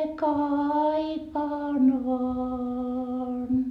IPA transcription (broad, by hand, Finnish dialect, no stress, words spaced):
kɑipɑːn ʋɑːn